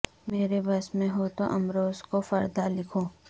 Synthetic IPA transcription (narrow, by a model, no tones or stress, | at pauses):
meːɾebɐsmẽɦoːt̪oʔɐmɾoːzkofɐɾd̪alɪkʰõː